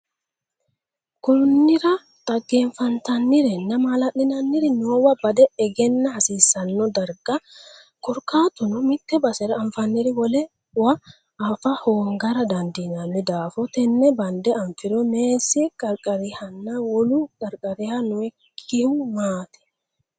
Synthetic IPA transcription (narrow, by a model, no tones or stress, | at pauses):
kʊnːɪɾɐ | t̪ʼɐɡːeːɱfɐnt̪ɐnːɪɾɛnːɐmalɐʔɪnɐnːɪɾɪnʊwɐbɐd̪ɛɛɡɛnːɐhɐsiːsːɐnːɔd̪ɐɾɡɐ | kɔɾkaːt̪ʊnʊmɪt̪ːɛbɐsɛɾɐːɱfɐnːɪɾɪwɔlɛ | wɐː | fɐhoːŋɡɐɾɐd̪ɐnd̪inɐnːɪd̪aːfɔt̪ɛnːɛbɐnd̪ɛɐɱfɪɾɔneːsɛkʼɐɾkʼɐɾɪhɐnːawɔlukɐɾkʼɐɾɪhanʊɛkʰːɪhʊmaːt̪ɛ̥